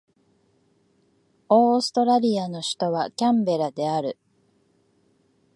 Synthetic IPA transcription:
o̞ːsɨ̥t̪o̞ɾaɾʲiano̞ɕi̥t̪o̞βakʲãmbe̞ɾad̪e̞aɾɯ̟

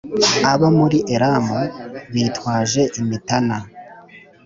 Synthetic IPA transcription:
aβamuɾiʔeɾamuβitwaːʒe̞ʔimitana

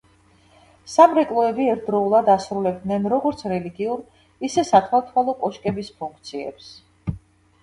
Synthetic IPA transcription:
samɾɛkʼlˠɔɛbiɛɾt̪̚ʰd̪ɾɔulˠad̪asɾulɛb̚d̪nɛnɾɔɡɔɾt̪sʰɾɛliɡiuɾ | isɛsat̪ʰwalˠt̪ʰwalˠɔkʼɔʃkʼɛbispʰuŋk̚ʰt̪sʰiɛ̰ps

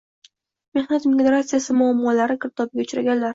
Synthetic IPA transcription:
me̞hnat̪meɡɡɾat̪sijasɪmʊamːɒlaɾɪkʰɪɾt̪ʰɒbɡʲaʊt͡ʃɾaɡʲanlaɾ

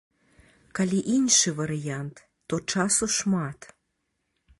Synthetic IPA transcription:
kɑlʲiʔinʲʃɨvaɾijant̪ːot͡ʃɑsoʃmɑt̪

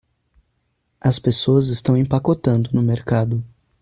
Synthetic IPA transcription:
ɐspesoɐzɪst̪ɐ̃w̃ẽpakot̪ɐ̃nd̪ʊnʊmeɾkad̪ʊ

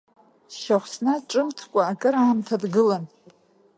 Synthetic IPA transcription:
ʃaχʷsnaʈ͡ʂʼɨmtʰkʷʼaːkʼɨɾaːmtʰadɡɨlan

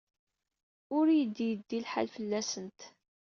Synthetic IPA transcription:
ʊɾjəd̪ːijəd̪ːilħa̰lfəlːæsənt̪

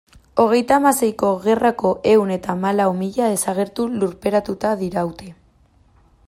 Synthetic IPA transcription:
o̞ɣ̞e̞jt̪aːmase̞jko̞ɣe̞rako̞ʔe̞wne̞t̪amalawmiʎaðe̞saɣ̞e̞ɾt̪uluɾpe̞ɾat̪ut̪aðiɾawt̪e

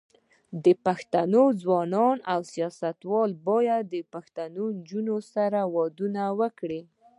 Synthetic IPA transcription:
d̪əpaxt̪anozwɑnɑnawsijɑsat̪wɑlbɑjad̪ːəpaxt̪anond͡ʒunosaɾawɑd̪unawəkɽi

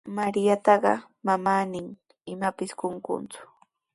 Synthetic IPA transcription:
maɾɪjat̪ɑɢɑ̰ | mamaːnɪŋ | ɪmapɪskoŋkʊ̰nt͡sʊ̥

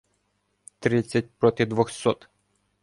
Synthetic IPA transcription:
t̪ɾɪt͡sʲːɐt̚ʲpɾɔt̪ɪd̪ʋɔxsɔt̪

